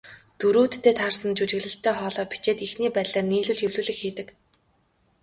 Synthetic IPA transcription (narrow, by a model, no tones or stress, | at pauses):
t̪uɾuːt̪ːeːt̪ʰarsə̆nt͡ɕut͡ɕɪ̆ɣɮɘ̆ɬt̪ʰːæːχɔːɮɔːpi̥t͡ɕeːt̪ixniːpæːɮaːrniːɮŭɮɵwɮuːɮɘ̆xxiːt̪ɘ̆k